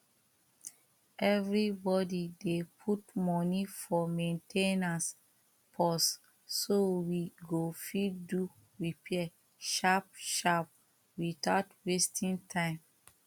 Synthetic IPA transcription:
ʔɛvɹibɔdidepʰutmɔnifɔmẽntʰenas | pʰɔsː | owiɡofidu | ɹipʰiɛ | ʃap̚ʃap̚ | witatwestʰĩntʰãɪ̃m

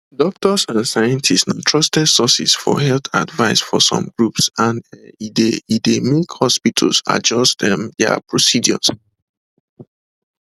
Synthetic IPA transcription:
dɔk̚tʰɔsãnsajə̃ntʰistãntʰɹɔstɛdsɔsisfɔ̰ɦɛlta̰dvaɪsfɔsɔ̰̃mɡɹupsãnɛideidemikhɔspitʰəlsa̰d͡ʒɔstdɛ̃md̪ɛ̰pɹosidiɔ̰s

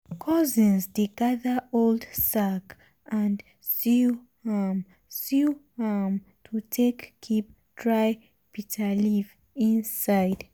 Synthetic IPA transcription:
kʰɔzĩnzdeɡaðəoldsak | ʔãnd | si | ham | siham | tʰutʰekːʰip̚ | dɹaj | pitʰəliv | ĩnsaɪd

